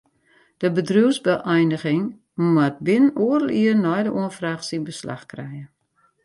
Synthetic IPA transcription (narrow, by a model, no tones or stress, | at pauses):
d̥əbədruəwsbəʔɛjnəɣɪŋ | mat̚bɪnənoərəlˠiərnɔjdəʔuənfraːxsinbəsla̰xkrɛjə